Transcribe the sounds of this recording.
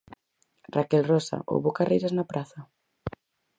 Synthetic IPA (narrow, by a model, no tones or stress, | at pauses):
rakɛlrɔsa̰ʔo̰wβokarʔejɾaznapɾaθɐ